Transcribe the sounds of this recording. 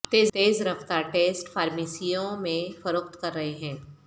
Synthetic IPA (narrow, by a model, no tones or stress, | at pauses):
t̪eːzt̪eːzɾɐft̪aːɾʈeːsʈfaːɾmiːsijõmẽfɐɾoːqt̪kɐɾːɐɦeɦɛ̃ː